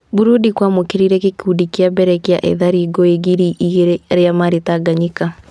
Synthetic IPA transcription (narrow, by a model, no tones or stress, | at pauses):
buɾudikwamokeɾiɾɛkekudikiabɛɾɛkea̰ʔɛ̰ðaɾiɡɔeɡiɾiʔiɣeɾeɾeamaɾetaɡaɲika